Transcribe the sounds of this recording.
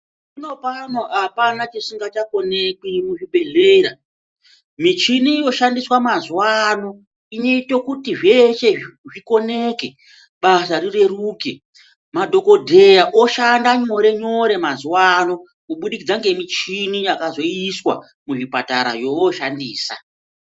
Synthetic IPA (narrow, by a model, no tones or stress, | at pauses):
ino̞panoʔapanat͡ʃisiŋɡat͡ʃako̞ne̞kimuʐiɓe̞ɮeːra | mit͡ʃinijo̞ʃandiswamazwano̞ | ine̞itokutiʐe̞ʃe̞ʐiko̞neke | ɓasarire̞ruːke | madʱo̞ko̞dʱe̞jaʔoʃandaɲo̞ɾe̞ɲo̞ɾe̞mazwano̞ | kuɓuɗikid͡zaŋɡe̞mit͡ʃinijakazo̞iswa̰ | muʐipataɾa̰ʐo̞woʃandiːsa̰